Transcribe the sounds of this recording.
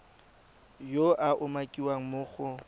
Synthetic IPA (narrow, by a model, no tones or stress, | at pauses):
joʔaʔʊmakʼiwaŋ̩mʊːχʊ